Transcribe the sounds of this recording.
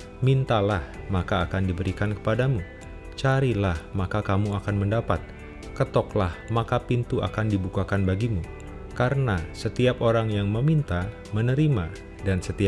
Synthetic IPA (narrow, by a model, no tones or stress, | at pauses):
mint̪alahmakaːkandibəɾikankə̥padamu | t͡ʃaɾilahmakakamuakanməndapat̪̚ | kət̪ɔklahmakapint̪uʔa̰kandibukakanbaɡimu | kaɾənasət̪iapoɾaŋjaŋməmint̪a | mənəɾima | dansət̪ia